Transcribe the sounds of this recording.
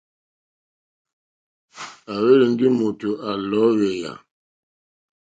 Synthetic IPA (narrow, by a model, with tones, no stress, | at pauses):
a˨we˦lə˨n̩˦di˦mo˨to˨ʔa˨lɔ˨˦ɣe˨ja̰˨